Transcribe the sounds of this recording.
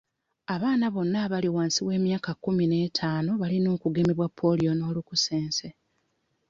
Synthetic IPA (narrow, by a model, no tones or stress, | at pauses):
aβaːnaβo̞nːaβaliwaːnsiβwe̞ːmjaːkakːumine̞ːtʰaːnoβalino̞ːkuɡe̞ːmbe̞βwapʰːo̞lijo̞no̞ːlukuse̞ːnse̞